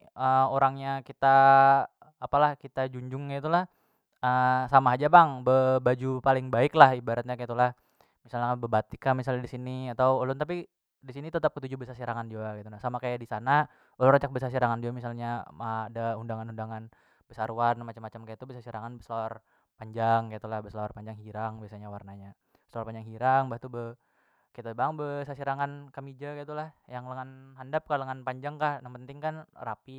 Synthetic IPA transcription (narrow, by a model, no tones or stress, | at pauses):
əoɾaŋɲakit̪aː | palahkit̪ad͡ʒuɲd͡ʒʊŋkait̪ulah | əsamaɦad͡ʒabaŋbəbad͡ʒupalɪŋbaɪklahibaɾat̪̚ɲakait̪ulah | misalɲakabəbat̪ikamisalɲadisiniat̪awulʊnt̪api | disinit̪ət̪ap̚kət̪ud͡ʒubəsasiɾaŋand͡ʒuaɡit̪ulasamakajadisana | ulʊnat͡ʃak̚bəsas̬iɾaŋand͡ʒuamisalɲaaadaundaŋanundaŋan | bəsaɾuwanmat͡ʃamːat͡ʃamkajat̪ubəsasiɾaŋanbəslawar | paɲd͡ʒaŋkait̪ulahbəslaarpaɲd͡ʒaŋɦiɾaŋbiasaɲawarnaɲa | slaarpaɲd͡ʒaŋɦiɾaŋbaht̪ubə | kat̪ubaŋbəsasiɾaŋankamid͡ʒakit̪ulahjaŋləŋanɦandap̚kaləŋanpaɲd͡ʒaŋkahnampənt̪ɪŋkanrapi